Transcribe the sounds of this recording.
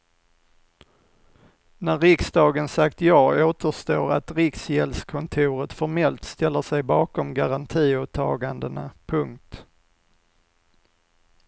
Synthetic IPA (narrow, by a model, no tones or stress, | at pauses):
næɾɪksd̪ɑːɡənsakt̪jɑːoːt̪əʂt̪oːɾa̰t̪ɾɪksjɛlskʰɔnt̪ʰʉːɾət̪fɔɾmɛlt̪st̪ɛlːəʂɛjbɑːkɔmɡaɾant̪ʰiːoːt̪ʰːɑ̰ːɡand̪əna̰pʰɵŋkt̪